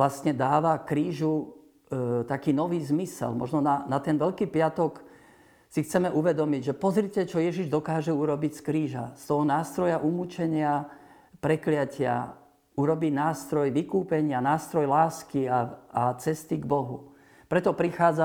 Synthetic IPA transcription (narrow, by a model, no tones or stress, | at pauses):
lastɲɛd̪aːʋakɾiːʒu | t̪akiːnɔʋiːzmisɛ̰lmɔ̰ʒnɔnanat̪ɛnʋɛʎkiːpɪat̪ɔk | sixt͡sɛmɛʔuʋɛd̪ɔmiɟʒɛpɔzɾicɛt͡ʃɔjɛʒiʒd̪ɔkaːʒɛuɾɔbicskɾiːʒast̪ɔɦɔnaːst̪ɾɔjaʔumut͡ʃɛɲɪa | pɾɛklɪacɪa̰ | uɾɔbinaːst̪ɾɔjʋikuːpɛɲɪanaːst̪ɾɔjlaːskiaat͡sɛst̪iɡbɔɦu | pɾɛt̪ɔpɾixaːd͡za